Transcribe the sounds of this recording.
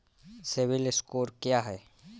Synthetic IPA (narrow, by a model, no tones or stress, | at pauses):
sɪʋɪlɪskoːɾkjaːɦɛː